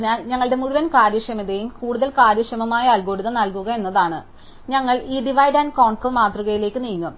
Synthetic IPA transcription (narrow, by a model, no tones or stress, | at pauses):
aɲɐŋːɐɭɽe̞muɻuʋɐnkaːɾjɐʂɐmɐðejumkuːɽuðɐlkaːɾjɐʂɐmɐmaːjɐːlɡoɽuðɐnɐlkuɣɐe̞nːɐðaːɳɨ | ɲɐŋːɐɭiːɖiʋɐjɖɐnkoːɳfrɐɭmaːt̪ruɣɐjile̞ːkːɨniːŋːum